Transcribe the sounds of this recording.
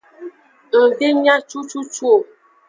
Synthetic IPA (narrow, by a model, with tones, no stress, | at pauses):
n̩˨be˦ɲa˦t͡ʃu˦t͡ʃu˦t͡ʃu˦o˨